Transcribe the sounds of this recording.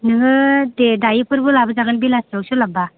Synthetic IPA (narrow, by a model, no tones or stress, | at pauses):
nɯŋɯdedajipɯɾbɯlabazaɡɯnbilasawsulaba